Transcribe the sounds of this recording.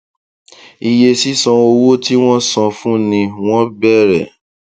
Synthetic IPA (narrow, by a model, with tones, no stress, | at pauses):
i˧je˧si˦sɔ̃˧o˧wo˦ti˦w̃ɔ̃˦sɔ̃˧fũ˦nĩ˧w̃ɔ̃˦bɛ˦˨ɾɛ̰˨